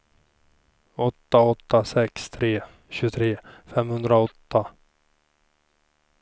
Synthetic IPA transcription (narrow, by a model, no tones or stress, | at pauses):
ɔt̪ːaɔt̪ːasɛkst̪ʰɾeː | ɕɵt̪ʰɾeːfɛmːhɵnd̪ɾaɔt̪ːa